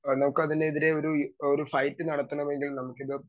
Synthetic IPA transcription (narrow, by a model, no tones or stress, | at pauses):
nɐmukːɨɐðineiðiɾe̞o̞ɾuoɾufɐjtːɨnɐɽɐt̪ːɐɳɐmeŋɡilnɐmukːiɐ